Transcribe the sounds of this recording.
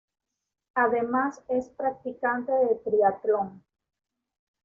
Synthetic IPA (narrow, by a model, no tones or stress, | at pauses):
aðe̞masespɾak̚t̪ikant̪eðet̪ɾiat̪loŋ